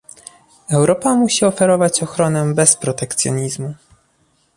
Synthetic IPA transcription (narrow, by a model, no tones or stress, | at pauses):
ɛwɾɔpamuɕiɔfɛɾɔvat͡ɕɔxɾɔnɛbɛspɾɔt̪ɛkt̪sʲjɔ̰ɲizmu